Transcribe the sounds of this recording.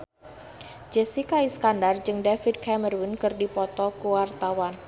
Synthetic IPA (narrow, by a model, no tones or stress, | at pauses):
d͡ʒɛsikaiskandard͡ʒɨŋdafid̚kʰɛmərwinkɨrdipɔt̪ɔkuwart̪awan